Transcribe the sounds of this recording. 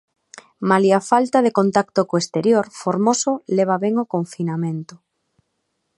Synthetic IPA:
maliafalt̪aðekont̪akt̪okoest̪eɾjoɾfoɾmosoleβ̞aβɛŋokoɱfinamẽnt̪ʊ

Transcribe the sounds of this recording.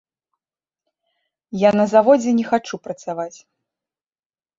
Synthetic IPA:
janɐzavɔd͡zʲɛnʲɛxat͡ʂupɾɐt̪savat͡sʲ

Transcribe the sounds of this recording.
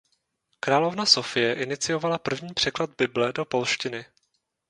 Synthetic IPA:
kɾaːlo̞vnaso̞fɪjɛʔɪnɪt͡sɪjo̞valapr̩vɲiːpr̝̥ɛklad̪̚bɪblɛdo̞po̞lʃcɪnɪ

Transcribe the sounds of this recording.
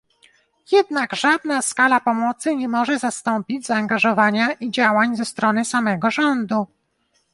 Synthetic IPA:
jɛd̪naɡʐad̪̚naskalapɔmɔt̪sɘɲɛmɔʐɛzast̪ɔmpʲid͡ʑzaːŋɡaʐɔvaɲaʔid͡ʑawaɲzɛst̪ɾɔnɘsamɛɡɔʐɔnd̪u

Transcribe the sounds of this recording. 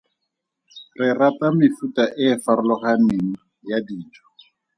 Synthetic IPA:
rɪratamɪfutʼaʔɪːfaɾʊlɔχaneŋ̩ | jadiːtʰɔ̥

